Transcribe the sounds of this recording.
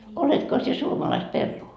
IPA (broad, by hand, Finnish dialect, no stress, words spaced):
oletko sie suomɑlɑist perːuː